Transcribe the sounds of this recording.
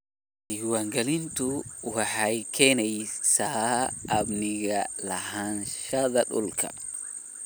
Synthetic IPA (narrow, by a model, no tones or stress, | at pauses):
iwaŋɡalintuwahajkʰɛnajsaː | bniɡalahanʃad̪aɗṵlkʰa̰